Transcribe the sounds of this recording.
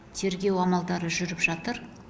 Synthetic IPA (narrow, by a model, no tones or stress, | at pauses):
t̪ʰe̞ɾɡʲe̞wɑmɑlˠd̪ɑɾəʒʏɾɪpʒɑt̪əɾ